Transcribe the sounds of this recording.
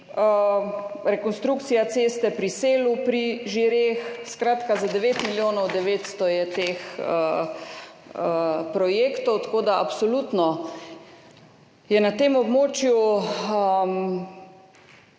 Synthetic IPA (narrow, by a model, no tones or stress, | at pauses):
ə | ɾɛkɔnst̪ɾukt̪sijat̪seːst̪ɛpɾiseːlupɾiʒiɾeːxskɾaːt̪kazad̪ɛʋeːt̪miljoːnɔwd̪ɛʋeːt̪st̪ɔjɛt̪eːxə | əpɾɔjeːkt̪ɔwt̪ḁkoːd̪aapsolut̪nɔ | jɛnat̪eːmɔbmoːt͡ʃjuəm